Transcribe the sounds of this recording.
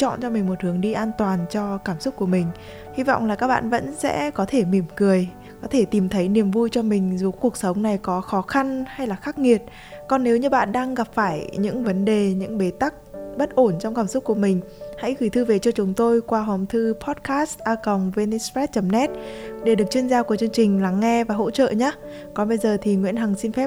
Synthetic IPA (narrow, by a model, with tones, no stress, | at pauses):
t͡ɕɔ̰˧˨nt͡ɕɔ˧mï˨˩ŋ̟mo˨˩t̚hɨ˨˦əŋɗi˧ʔaː˧nt̪waː˨˩nt͡ɕɔ˧kaː˧˩msʊ˦˥k͡p̚ku˧˩əmï˨˩ŋ̟ | hi˧vɔ̰˧˨wŋ͡mlaː˨˩kaː˦˥k̚ɓa̰ː˧˨nvə̰˧˥nsɛ̰˧˥kɔ˨˦t̪ʰe˧˩mi˧˩əmkɨ˨˩əj | kɔ˨˦t̪ʰe˧˩t̪i˨˩mt̪ʰə˨˦jni˨˩əmvu˧jt͡ɕɔ˧mï˨˩ŋ̟zu˨˧˦ku˨˩ək̚sə˨˦wŋ͡mna˨˩jkɔ˨˦xɔ˨˦xa˧nha˧jlaː˨˩xaː˦˥k̚ŋi˨˩ət̚ | kɔ˨˩nːe˨˦wɲɨ˧ɓa̰ː˧˨nɗaː˧ŋɣa˨˩p̚faː˧˩jɲɨ̰˧˥ŋvə˨˦nɗe˨˩ɲɨ̰˧˥ŋɓe˨˦t̪a˦˥k̚ɓə˦˥t̚ʔo˧˩nt͡ɕɔ˧wŋ͡mkaː˧˩msʊ˦˥k͡p̚ku˧˩əmï˨˩ŋ̟ha̰˧˥jɣɨ˧˩jt̪ʰɨ˧ve˨˩t͡ɕɔ˧t͡ɕʊ˨˦ŋ͡mt̪o˧jkwaː˧ɦə˨˩ŋ͡mt̪ʰɨ˧pʰɔ˦˥t̚kʰaː˦˥stʔaː˧kə˨˩wŋ͡mve˧ni˧sfɛ˦˥t̚t͡ɕə˨˦mnɛ˦˥t̚ɗe˧˩ɨ˨˩ək̚t͡ɕwi˧ənzaː˧ku˧˩t͡ɕɨ˧əŋt͡ɕï˨˩ŋ̟laː˨˩ŋːɛ˧vaː˨˩ɦo̰˧˥t͡ɕə̰ː˧˨ɲaː˨˦ | kɔ˨˦nɓə˧jzəː˨˩t̪ʰi˨˩ŋwḭ˧˥ənɦa˨˩ŋsi˧nfɛ˦˥p̚